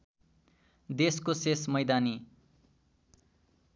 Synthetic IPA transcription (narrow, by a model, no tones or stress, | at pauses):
d̪eskosesmʌjd̪ani